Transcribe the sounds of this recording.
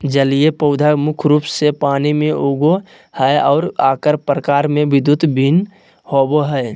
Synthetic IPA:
d͡ʒəliepəʊd̪ʱamʊkʰɾuːpsepaːnimẽʔoɡo | həeɔːɾaːkəɾpɾəkaːɾmẽʋɪd̪ut̪bʱin | hoboɦəe

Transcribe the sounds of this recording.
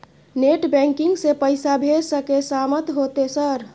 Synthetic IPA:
neʈbɛ̃ŋkiŋɡsepəjsabʱeɾsəkesamət̪ɦot̪esəɾ

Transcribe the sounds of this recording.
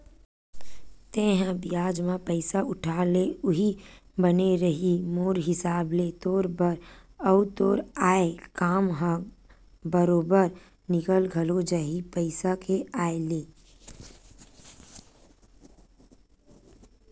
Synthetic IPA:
t̪ẽːɦə̃bɪjaːd͡ʒmãpəɪsaʊʈʰaːleʊɦibəneɾəɦimoːɾɦɪsaːblet̪oːɾbəɾəʊt̪oːɾaːekaːmɦã | bəɾoːbəɾ | nɪkəlɡʱɐlod͡ʒaɦipəɪsakeaːeleː

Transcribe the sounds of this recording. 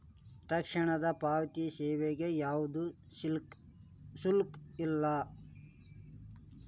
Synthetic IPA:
t̪ɐkʂiɳɐd̪ɐpaːʋɐt̪isɛːʋeɡejaːʋud̪u | sulkilːɐ

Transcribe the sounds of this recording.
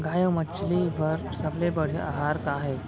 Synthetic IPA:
ɡajə̃mət͡ʃliʋəɾsəblebəɽ̤eʔa̰ɦaɾkaɦɛ

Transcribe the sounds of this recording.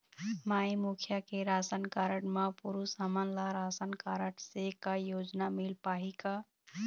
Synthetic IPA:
maimukʰjakeɾasənkaɾəʈmapuɾusamanlaɾasənkaɾəʈsekajod͡ʒnamilpaɦika

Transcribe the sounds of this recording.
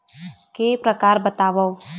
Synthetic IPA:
keːpɾəkaːɾbət̪aːʋə

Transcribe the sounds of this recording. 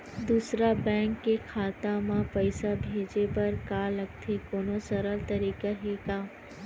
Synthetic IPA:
d̪uːsɾabɛ̃ːŋkːekʰaːt̪amãpɐɪsabʱeːd͡ʒepɐɾkaːlɐɡ̚t̪ʰekoːnosɐɾəlt̪ɐɾiːkaɦeːkaː

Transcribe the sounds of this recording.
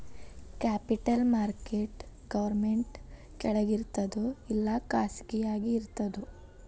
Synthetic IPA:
kaːpiʈɐlmaːɾkeʈ | ɡ̥ɐʋɐɾmeɳʈ | kɛɭɐɡiɾt̪ɐd̪uilːɐkaːsɡijaːɡiːɾt̪ɐd̪u

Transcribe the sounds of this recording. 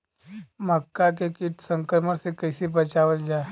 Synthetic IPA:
məkːak̬ekiʈsəŋkəɾməɾsekəjsipət͡ʃaʋəld͡ʒa

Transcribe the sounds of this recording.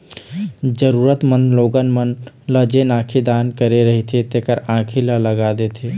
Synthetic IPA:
d͡ʒəɾuɾət̪mənloɡənmən | ləd͡ʒenãkʰid̪ankəɾeɾəɦit̪ʰit̪ekəɾãkʰilələɡad̪et̪ʰi

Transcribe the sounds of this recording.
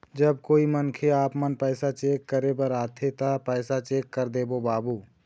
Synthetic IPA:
d͡ʒəbkoːimənkʰeaːpmənpɛːsat͡ʃeːkːəɾebəɾaːt̪ʰet̪apɛːsat͡ʃeːkːəɾd̪eːbobaːbuː

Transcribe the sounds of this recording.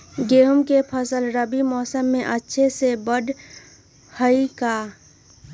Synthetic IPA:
ɡeɦumkepʰəsəlɾəbimɔːsəmːẽʔətːʃʰesebəɖ | həika

